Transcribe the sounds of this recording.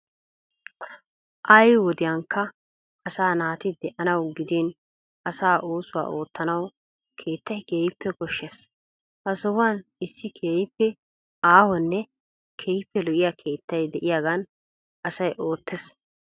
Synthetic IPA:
ʔɐjwɔd̪ɪjɐŋkːɐ | ɐsaːnaːt̪ɪd̪ɛʔɐnɐwɡɪd̪iːn | ɐsaːʔoːsʊwa̰ːʔoːt̪ʰːɐnɐw | kʰe̞ːt̪ːɐjkeːjɪpːɛɡɔʃːes | ʔɐsɔwanɪsːɪkʰeːjɪpːɛ | aːhɔnːɛ | kʰeːjɪpːɛlɔʔɪjakʰe̞ːt̪ːɐjd̪ɛʔɪjaːɡɐn | ɐsɐjʔo̞ːt̪ʰːɛs

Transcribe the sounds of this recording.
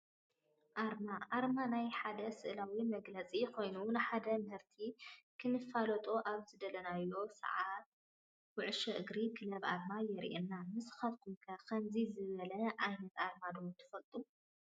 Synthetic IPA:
ʔaɾmaʔaɾmanajħad̪ɐsɨʔlawimɐɡlɐt͡sʼikʰo̞jnunɨħad̪ɐmhɨɾt̪ʰikʰɨnɨfalɐt̪ʼoʔaβzɨd̪ɐlɐnajo̞sɐ̰ʕat̪ | wʊʕʃɛʔɨɡɾikʰɨlɐβʔa̰ɾmajɛɾ̰ʔenːamɨsxɐβt̪ʰukʰɐkʰɐmzizɨβɐlɐʔajnɐt̪aɾmad̪ot̪ʰɨ̥fɐlt̪ʼu

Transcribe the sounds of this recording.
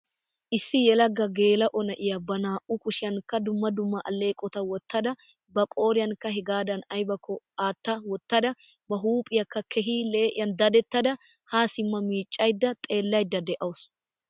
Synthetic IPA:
ʔɪsːɪjɛlɐɡːɐɡeːlɐʔɔnɐʔɪjɐbɐnaːʔʊkʊʃɪjɐnkːɐd̪ʊmːɐd̪ʊmːɐʔɐ̰lːe̞ːkʼɔt̪ɐwɔt̪ːɐd̪ɐ | bɐkʼo̞ːɾɪjɐnkːɐɦɛɡaːd̪ɐnɐjbɐkːɔ | aːt̪ːɐwɔt̪ːɐd̪ɐ | bɐɦuːpʼɪjɐkːɐkʰɛɦiːle̞ːʔɪ̰jɐnd̪ɐd̪ɛt̪ːɐd̪ɐ | haːsɪmːɐmiːt͡ʃʼːɐjd̪ːɐt̪ʼe̞ːlːɐjd̪ːɐd̪ɛʔɐwʊs

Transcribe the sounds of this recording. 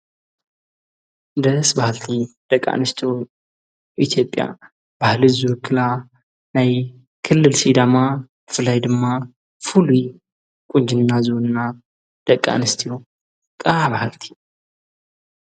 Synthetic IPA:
ɨnd̪əsbahalt̪ʰid̪̥əkʼːa̰nɨst̪ʰio | ʔit̪ʰjo̞pʼːja̰ | bahlɨzuwɨkʰːɨla | naj | kʰɨlːɨlsid̪amabɨfɨlajd̪ɨmːa | fuluj | kʼuɲd͡ʒɨnːazonɨnːa | d̪̥əkʼːa̰nɨst̪ʰijo | kʼaβahalt̪ʰi̥

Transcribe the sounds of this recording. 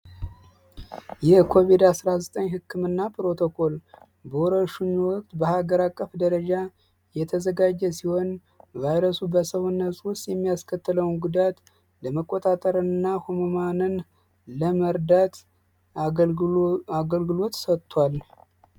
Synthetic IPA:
jɛhkʰo̞βid̪asɾazət̪ʼəɲɦɨkʰːɨmɨnːapʰɾo̞t̪ʰokʰo̞l | bəwɾəʃuɲwɔk̚ʼt̪bəhaɡəɾakʼːəfd̪əɾəd͡ʒa | jɛt̪ʰəzəɡad͡ʒːɛsiho̞n | vajɾəsubəsəwnːəsʼwʊst̪ʼjɛmːijaskʰət̪ʰːɨləwnɡud̪at̪ | ləməkʼːot̪ʼat̪ʼəɾɨnːahomomanɨn | ləməɾd̪at̪ | aɡəlɡɨlo̞t̪sət̪ːwal

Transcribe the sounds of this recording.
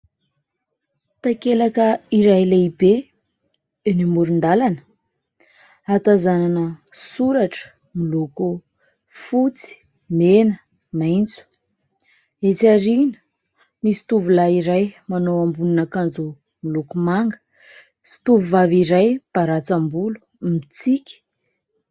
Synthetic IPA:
t̪akelakəiɾajleibe | enimuɾund̪alanə̥ | at̪azananəsuɾaʈ͡ʂə̥ | miluku | fut͡si̥ | menə | majnt͡su̥ | et͡siaɾinu̥ | misi̥t̪uvulaiɾajmanowambuninakand͡zu | milukumaŋɡə̥ | si̥t̪uvuvaviɾajb̥aɾat͡sambulu̥ | mit͡sikʲi̥

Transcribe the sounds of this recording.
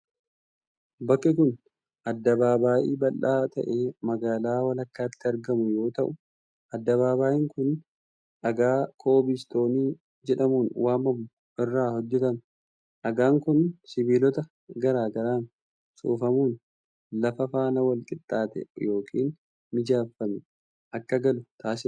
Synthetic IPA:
bɐkːɪk̬ʊn | ʔɐd̪ːɐbaːbaːʔḭːbɐlːaːt̪ɐ̰ʔeːmɐɡaːlaːwɐlɐkːaːt̪ːɪɐɾɡɐmʊjo̞ːt̪ɐʔʊ | ʔɐd̪ːɐβaːbaːʔɪŋkʊn | ʔɐɡaːkʰo̞ːbist̪o̞ːniː | d͡ʒɛᶑɐmuːnwaːmɐmʊ | ʔɪrːaːhɔd͡ʒːɛt̪ɐm | ʔɐɡaːŋkʊnsɪbiːlɔt̪ɐ | ɡɐɾaːɡɐɾaːn | sṵːfɐmuːn | lɐfɐfaːnɐwɐlkʼɪt̪ʼːaːt̪ɛ̰jo̞ːkʰḭːn | mɪd͡ʒaːfːɐmɛ | ʔɐkːɐɡɐlʊt̪ʰaːsɪ

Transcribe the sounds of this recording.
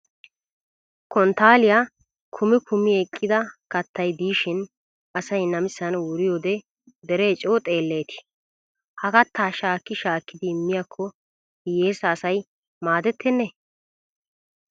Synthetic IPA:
kɔnt̪aːlɪja | kʰʊmɪkʰʊmɪjɛkʼːɪd̪ɐkɐt̪ːɐjd̪iːʃɪn | ɐsɐjnɐmɪsːɐnwʊɾɪjoːd̪ɛ | d̪ɛɾɛet͡ʃʼoːt̪ʼe̞ːlːe̞ːt̪ɪ̥ | hɐkɐt̪ʰːaːʃaːkːɪʃaːkːɪd̪ɪːmːɪjakʰːɔ | jeːsɐːsɐj | maːd̪ɛt̪ːɛnːɛ

